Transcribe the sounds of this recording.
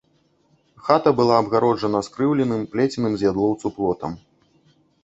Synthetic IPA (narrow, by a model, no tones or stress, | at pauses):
xat̪ɐbɨlˠaːbɣaɾɔd͡ʐʐɐnɐskɾɨwlʲɛnɨmplʲɛt͡sʲinɨmzʲjad̪lˠɔwt̪suplˠɔt̪ɐ̰m